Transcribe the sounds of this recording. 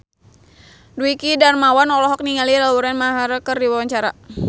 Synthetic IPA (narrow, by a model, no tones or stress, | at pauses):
duikidarmawanɔlɔɦɔk̚niŋaliɾawuɾanmaɦaɾəkərdiwawaɲt͡ʃaɾa